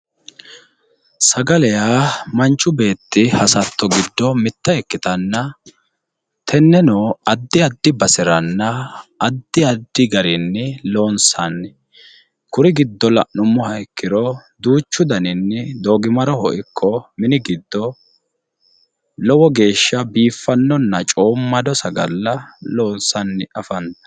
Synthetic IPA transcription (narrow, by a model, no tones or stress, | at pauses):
sɐɡɐlɛjaːmɐnt͡ʃʼːʊbe̞ːt̪ːɪhɐsɐt̪ːɔɡɪd̪ːɔmɪt̪ːɐɛkːɪt̪ɐnːɐ | t̪ʰɛnːɛnoːɐd̪ːɪɐd̪ːɪbɐsɪɾɐnːɐːd̪ːɪɐd̪ːɪɡɐɾɪnːɪlo̞ːnsɐn | kʊɾɪɡɪd̪ːɔlɐʔnʊmːɔhɐjkːɪɾɔ | d̪uːt͡ʃːʊd̪ɐnɪnːɪd̪oːɡɪmɐɾɔhɔʔɪkʰːɔmɪnɪɡɪd̪ːɔ | lɔwɔɡe̞ːʃːɐbiːfːɐnːɔnːɐt͡ʃʼo̞ːmːɐd̪ɔsɐɡɐlːɐlo̞ːnsɐnːɪʔɐfɐnt̪ɐ̥